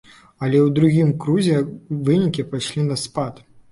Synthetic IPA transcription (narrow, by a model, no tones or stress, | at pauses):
ɐlʲɛwd̪ɾuɣʲimkɾuzʲɛvɨnʲikʲipajʂlʲinɐspat̪